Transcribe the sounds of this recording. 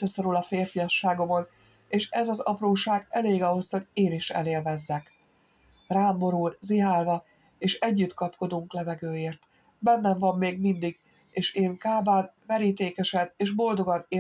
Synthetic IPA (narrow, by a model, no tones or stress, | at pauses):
ɛso̞ɾulɒfeːrfijɒʃːaːɡo̞mo̞n | eːʃɛzɒzɒ̰proːʃaːɡɛleːɡɒɦo̞sho̞ɟeːniʃɛ̰leːlvɛzːɛk | raːmbo̞ɾulziɦaːlvɒ | eːʃɛɟːyt̪kɒpko̞d̪uŋklɛvɛɡøːeːrt̪ | bɛnːɛɱvɒmːeːɡmind̪iɡ | eːʃeːŋkaːbaːnvɛɾiːt̪eːkɛʃɛneːʒbo̞ld̪o̞ɡɒneː